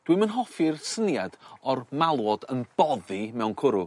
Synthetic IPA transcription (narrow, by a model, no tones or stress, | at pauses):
d̥wɨmənɦɔfɪrsənjad̥ɔrmalˠwɔdənb̥ɔðimɛwnkʰʊɾʊ